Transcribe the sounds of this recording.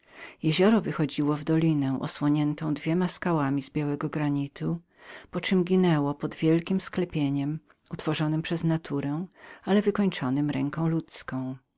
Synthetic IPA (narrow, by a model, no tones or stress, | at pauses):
jeʑɔɾɔvɘxɔd͡ʑiwɔvd̪ɔlʲinɛ̃ʔɔ̰swɔɲɛnt̪ɔ̃w̃d̪vʲjɛmaskawamʲizbʲjawɛɡɔɡɾaɲit̪u | pɔt͡ʂɘmɡʲinɛwɔpɔd̪vʲjɛlkʲimsklɛpʲjeɲɛm | ut̪fɔʐɔnɘmpʂɛznat̪ʰuɾɛ̃alɛvɘkɔɲt͡ʂɔnɘmɾɛŋkɔ̃w̃lut̪skɔ̃w̃